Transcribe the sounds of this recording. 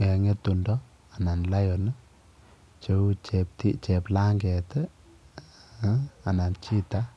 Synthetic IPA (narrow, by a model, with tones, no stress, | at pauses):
ɛ˨ŋe˦t̪undɔ | a˨na˨nla˦jɔnɨ | t͡ʃeut͡ʃɛp̚t̪it͡ʃɛ˨pla˦ŋɡɛ˨t̪ɛ | a˨na˨nt͡ʃi˦t̪a